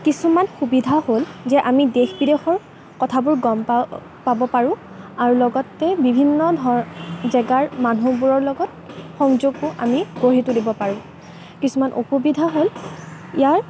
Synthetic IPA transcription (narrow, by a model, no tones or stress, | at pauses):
kisumanxubidʱaholzɛʔamidexbidexɔɹ | kɔtʰabʊɹɡɔmpa | pabɔpaɹʊ̃ | aɹulɔɡɔtːɛbibʱinːɔdʱɔzɛɡaɹmanubuɹɔɹlɔɡɔt̚ | xɔŋzoɡpʊʔa̰miɡoɹitulibɔpaɹʊ̃ | kisumanʔo̰xubidʱaɦol | ijaɹ